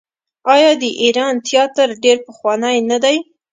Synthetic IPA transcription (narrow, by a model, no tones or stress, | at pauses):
ɑjɑd̪əʔiɾɑnt̪jɑt̪əɾɖeɾpəxwɑnajnad̪aj